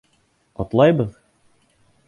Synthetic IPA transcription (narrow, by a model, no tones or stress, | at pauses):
qɒt̪lˠɑjbɤð